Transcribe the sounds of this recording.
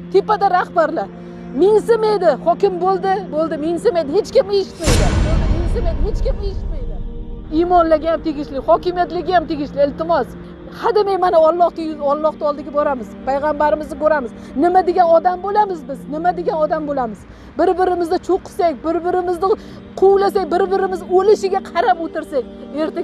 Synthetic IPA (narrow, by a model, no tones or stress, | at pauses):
t̪ʰepad̪aɾahbaɾla | mɪŋsɪmajd̪ɪhɒkʲɪmbolˠd̪ɪbolˠd̪ɪmɪŋsɪmajd̪ɪhet͡ʃkʲɪmeʃɪ̥t̪majd̪ɪbolˠd̪ɪmɪŋsɪmajd̪ɪhet͡ʃkʲɪmeʃɪ̥t̪majd̪ɪijmɒnlaɡʲajamt̪ʰeɡʲɪʃlɪhɒkʲɪmijat̪lɪɡʲajamt̪ʰeɡʲɪʃlɪɪlt̪ɪmɒs | had̪ɪmajmanaɒlˠːɒht̪ɪɒlˠːɒχt̪aɒlˠd̪ɪɡʲabɒɾamɪzpʰajʁɑmbaɾɪmɪznɪkoɾamɪz | nɪmad̪eɡʲanɒd̪ambolamɪzbɪznɪmad̪eɡʲanɒd̪ambolamɪz | bɪɾbɪɾɪmɪzd̪ɪt͡ʃʰoqɨ̥sakʲbɪɾbɪɾɪmɪzd̪ɪ | qʰʊwlas̬ak̚ʲbɪɾbɪɾɪmɪzolɪʃɪɡʲaqʰɑɾapot̪ʰɪɾsak̚ʲeɾt̪a